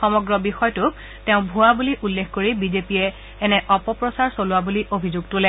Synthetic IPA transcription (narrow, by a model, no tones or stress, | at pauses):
xɔmɔɡɹɔbixɔjtʊk | teʊ̃bʱuabuliʔulːexkoɹibizepijɛː | nɛʔɔpɔpɹɔsaɹsolʊwabuliʔobʱizuɡ̚tʊlɛ